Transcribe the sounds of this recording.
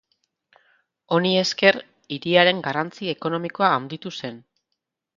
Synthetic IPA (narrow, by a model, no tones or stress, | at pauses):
o̞nie̞ske̞r | iɾiaɾe̞ŋɡarant͡sie̞ko̞no̞miko̞aːnd̪it̪use̞n